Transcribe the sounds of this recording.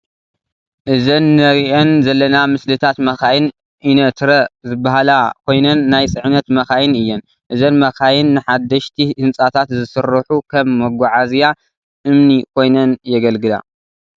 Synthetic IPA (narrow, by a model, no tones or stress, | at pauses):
ʔɨzɐnːɐɾiʔonzɐlːɐnamɨslɨt̪ʰat̪mɐxajɨn | ʔinɐt̪ʰɾɐzɨbːahalakʰo̞jnɐnːajt͡sʼɨʕnɐt̪mɐxajɨnɨjːɛn | ʔɨzɐnmɐxajɪnːɨħad̪ːɐʃt̪ʰihɨnt͡sʼat̪ʰat̪zɨsɨɾːɨħukʰɐmːɐɡʷaʕazja | ʔɨmnikʰo̞jnɐnjɛɡɐlɡɨla̰